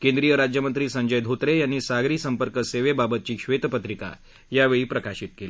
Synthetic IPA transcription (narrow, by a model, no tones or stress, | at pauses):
kẽnd̪ɾijəɾad͡ʑjəmənt̪ɾiːsəɲd͡ʑəjd̪ʱot̪ɾejanːiːsaɡɾiːsəmpəɾkəseʋebabət̪̚t͡ɕiːɕʋet̪əpət̪ɾika̰ | jaʋeɭiːpɾəkaɕit̪̚keli